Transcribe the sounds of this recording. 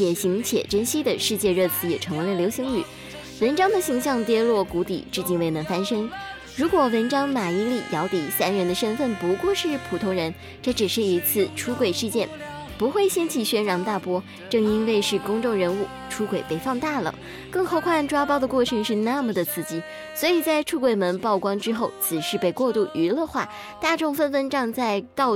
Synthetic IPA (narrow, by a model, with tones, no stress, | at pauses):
jɛ˨˩ɕi˧˥ŋt͡ɕʰjɛ̰˨˩ʈ͡ʂə˥nɕi˥d̪ə˨ʂɻ̩˥˧t͡ɕjɛ˥˧ɻɤ˥˩t͡sɹ̩˧˩jɛ˨˩ʈ͡ʂʰɤ˧˥ŋwe˧˥˩ljo˧˥ʊɕi˧˥ŋy̰˨˩˦ | wə˧˥nʈ͡ʂɑ˥ŋd̪ə˨ɕi˧˥ŋɕ̬jɑ˥˩ŋt̪jɛ˥lwɔ˥˩ku˧˥t̪ḭ˨˩˦ʈ͡ʂɻ̩˥˩t͡ɕi˥˧nwe˥˩ɪnə˧˥ŋfa˥nʂɤ˥ŋ | ɻu˧˥kwɔ˨˩wə˧˥nʈ͡ʂɑ˥ŋma˨˩i˧˥li˥˩jɑ˧˥ʊt̪i˨˥sa˥nɻə˧˥nd̪ə˧ʂə˥nfə˥˩npu˧˥kwɔ˥˧ʂɻ̩˥˩pʰu˨˩t̪ʰʊ˧˥ŋɻə˧˥n | ʈ͡ʂɤ˥˩ʈ͡ʂɻ̩˨˩ʂɻ̩˥˩i˧˥t͡sʰɹ̩˥˩ʈ͡ʂʰu˥kwe˨˩ɪʂɻ̩˥˧t͡ɕjɛ˥˩n | pu˧˥xwe˥˩ɪɕjɛ˥nt͡ɕʰi˥˩ɕɥɛ˥nɻɑ˧˥ŋt̪a˥˩pwɔ˥ | ʈ͡ʂɤ˥˩ŋi˥nwe˥˧ɪʂɻ̩˥˩kʊ˥ŋʈ͡ʂʊ˥˩ŋɻə˧˥nu˥˩ | ʈ͡ʂʰu˥kwe˨˩ɪpe˥˩ɪfɑ˥˧ŋt̪a˥˩lə̰˨˩ | kɤ˥˧ŋxo˥˧ʊkʰwa˥˧nʈ͡ʂwa˥pɑ˥˩ʊd̪ə˩kwɔ˥˩ʈ͡ʂʰɤ˧˥ŋʂɻ̩˥˧na˥˩mə˨˩d̪ə˩t͡sʰɹ̩˥˩t͡ɕi˥ | swɔ˧˥i˨˩t͡sa˥˩ɪʈ͡ʂʰu˥kwe˨˩ɪmə˧˥npɑ˥˩ʊkwɑ˥ŋʈ͡ʂɻ̩˥xo˥˩ʊt͡sʰɹ̩˨˩ʂɻ̩˥˧pe˥˧ɪkwɔ˥˧t̪u˥˩ʔy˧˥lə˧xwa˥˩ | t̪a˥˧ʈ͡ʂʊ˥˧ŋfə˥˧nfə˥˧nʈ͡ʂɑ˥˧ŋt͡sa˥˧ɪt̪ɑ˥˧ʊ